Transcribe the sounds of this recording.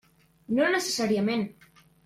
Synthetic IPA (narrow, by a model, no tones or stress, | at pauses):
nõnəse̥saɾiamẽn